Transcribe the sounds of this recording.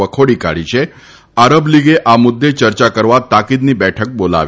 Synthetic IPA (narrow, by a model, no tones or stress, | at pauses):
əkʰoɽiːka̰ɭ̤it͡ɕe | aɾəbliɡeʔamud̪ːet͡ɕəɾt͡ɕakəɾʋat̪ːakid̪niːbɛʈʰək̚bola̰ʋi